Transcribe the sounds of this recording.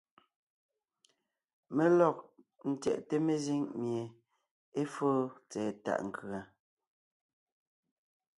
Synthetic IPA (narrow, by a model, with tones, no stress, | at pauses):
me˦lɔ˦˨k̚ | n̩˦tɛ̰˨ʔte˦me˦˨zi˦ŋmje˨ | e˦foː˦t͡sɛː˨ta̰˨ʔŋ̩˨kɰa˨